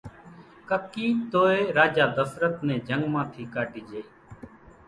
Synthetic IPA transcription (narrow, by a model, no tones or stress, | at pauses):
kəkːiːt̪oːeːɾaːd͡ʒaːd̪əsɾət̪nɛ̃ːd͡ʒəŋɡmãːt̪ʰiːkaːɖiːd͡ʒeiː